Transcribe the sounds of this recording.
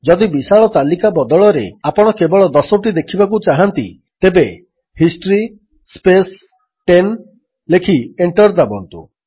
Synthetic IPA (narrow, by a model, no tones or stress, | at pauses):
d͡ʒɔd̪ibisaɭɔt̪alikabɔd̪ɔɭɔɾḛapɔɽ̃ɔkebɔɭɔd̪ɔsɔʈid̪ekʰibak̬ut͡ʃaɦant̪ḭ | t̪ebe | hisʈɾi | spes | ʈen | lekʰieɳʈɔɾd̪abɔnt̪ṵ